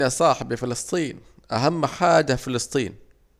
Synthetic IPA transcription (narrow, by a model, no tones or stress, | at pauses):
sˤɑːħɪbɪfɪlɨsˤt̪ˤiːn | ʔa̰ɦamːħaːd͡ʒafɪlɨsˤt̪ˤiːn